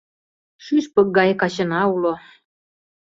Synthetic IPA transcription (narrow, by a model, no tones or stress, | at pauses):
ʃyʃpə̆k̚ɡɑjkɑt͡ɕə̆nɑulo